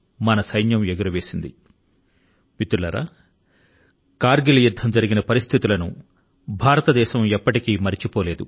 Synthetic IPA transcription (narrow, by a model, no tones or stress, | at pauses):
mɐnɐsɐjnjɐmeɡɐɾɐʋe̞ːsind̪ḭ | pit̪ulɐɾa̰ː | kaːɾɡilɐjud̪ʱːɐmd͡ʒɐɾiɡinɐpɐɾist̪ʰit̪ulɐnṵ | bʱaːɾɐt̪ɐd̪ɛːʃɐmɛpːɐʈikiːmɐɾit͡ʃipoːle̞ːd̪u